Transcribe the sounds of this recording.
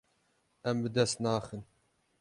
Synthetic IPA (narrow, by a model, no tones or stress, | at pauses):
ɛmbɨd̪ɛst̪nɑːxɨn